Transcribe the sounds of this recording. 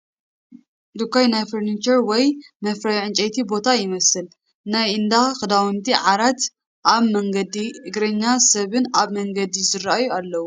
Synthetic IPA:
d̪ukʰːajnajfɐɾnit͡ʃɐɾwɔjmɐfɾajʕɨnt͡ʃʼɐjt̪ʰibo̞t̪ʰajɪmɐsɨl | najɨnd̪axɨd̪awɨnt̪ʰiʕaɾat̪ | ʔaβmɐŋɡɐd̪iʔɨɡɾɐɲːasɐβɨnaβmɐŋɡɐd̪izɨɾaajualːɐwu

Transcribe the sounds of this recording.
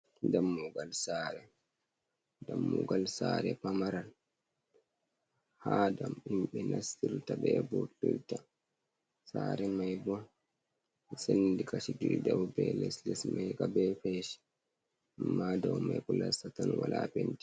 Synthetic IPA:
damːuɡalsaɾɛ | damːuɡalsaːɾɛ̰pamaɾan | haːdamimɓɛnasiɾtabɛbutulta | saːɾɛmajbɔn | ɛsendikaʃidiɾidawbɛlɛslɛsmajkabɛfɛʃi̥ | amːadawmajkɔlasatanwalaːpenti̥

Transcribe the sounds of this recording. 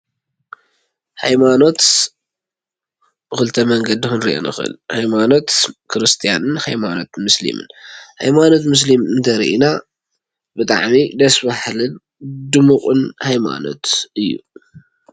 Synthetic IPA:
hajmano̞t̪ | bɨxɨlt̪ʰɐmɐŋɡɐd̪ixɨnɾiʔo̰nɨ̰xɨ̰lhajmano̞t̪kʰɨɾɨst̪ʰija̰nɨnhajmano̞t̪mɨslḭmɨ̰nha̰jmano̞t̪mɨs̬limɨnt̪ʰɐɾḭʔina | bɨt̪ʼa̰ʕmid̪ɐsbaħlɨn | d̪ɨmɨqʼɨnhajma̰no̞̰t̪ʔɨjːu

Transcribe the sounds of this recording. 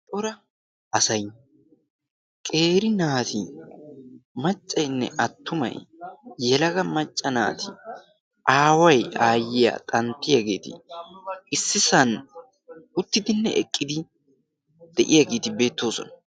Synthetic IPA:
t̪ʼɔɾɐ | ʔɐsɐj | kʼe̞ːɾɪnaːt̪ʰɪ | mɐt͡ʃʼːɐjnːɛ̰ʔɐt̪ːʊmɐ̰jjɛlɐɡɐmɐt͡ʃʼːɐna̰ːt̪ɪ | ʔaːwɐjaːjːɪja̰t̪ʼɐnt̪ːɪjaɡe̞̰ːt̪ɪ̰ | ɪsːɪsɐn | ʊt̪ːɪd̪ɪnːɛʔɛkʼːɪd̪ɪ | d̪̥ɛʔɪjaɡe̞ːt̪ɪbe̞ːt̪ːo̞ːsɔ̰nɐ̥

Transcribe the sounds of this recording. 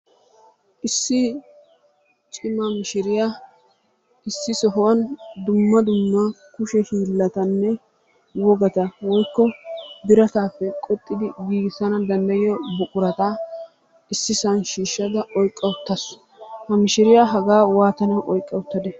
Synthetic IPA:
ʔɪsːɪ | t͡ʃʼɪmɐmɪʃɪɾɪja | ɪsːɪsɔɦwɐnd̪ʊmːɐd̪ʊmːa | kʊʃɛhiːlːɐt̪ɐnːɛ | wɔɡɐt̪ɐwɔjkːɔbɪɾɐt̪aːpːɛkʼɔt̪ʼːɪd̪ɪɡiːɡɪsɐnɐd̪ɐnd̪ɐjɪjɔbʊkʼʊɾɐt̪aː | ɪsːɪsɐnʃiːʃːɐd̪ɐɔjkʼːɐʊt̪ːɐs | hɐmɪʃɪɾɪjaɦɐɡaːwaːt̪ɐnɐʔɔjkʼːɐwʊt̪ːɐd̪ɛ

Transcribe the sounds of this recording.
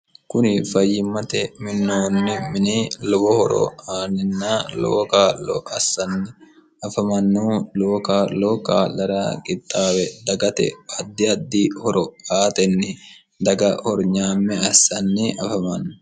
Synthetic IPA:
kʊnɪfɐjːɪmːɐt̪ɛmɪnːoːnːɪmɪniːlɔbɔhɔɾɔ̰aːnɪnːaːlo̰ːkaːlːɔ̰ʔɐsːɐnːɪ | ɐfɐmɐnːuloːkaːloːka̰ːlɐɾaːkʼɪt̪ʼːaːwɛd̪ɐɡɐt̪ɛ̰ɐd̪ːɪɐd̪ːiːhɔɾɔaːt̪ɛnːɪ | d̪ɐɡɐhɔɾɲaːmːɛɐsːɐnːɪʔɐfɐmɐnː

